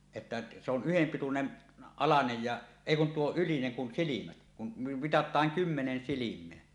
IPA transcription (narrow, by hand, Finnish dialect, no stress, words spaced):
etːæ se on yhempitunen ɑlɑnej jɑ eˑi kun tuo ylineŋ kun silimæt kum mi mitɑtˑɑːŋ kymːenen silimˑeæ